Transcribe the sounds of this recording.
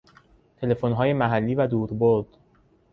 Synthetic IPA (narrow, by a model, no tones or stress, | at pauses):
t̪ʰe̞le̞fonɦɒːje̞mæɦælːiːvæd̪uːɾboɾd̪̥